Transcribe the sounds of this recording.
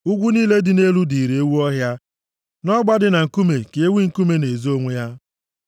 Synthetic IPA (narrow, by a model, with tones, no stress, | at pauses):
ʊ˦ɡʷu˦niː˦le˦dɪ˨ne˦lu˦di˨ɾe˨e˦wu˦ɔ˦ɦja˦ | nɔ˦ɡ͡ba˦dɪ˦na˨ŋ̩˨ku˦me˨ke˨e˦wi˦ŋ̩˨ku˦me˦ne˨zo˦ŋʷe˦ja˦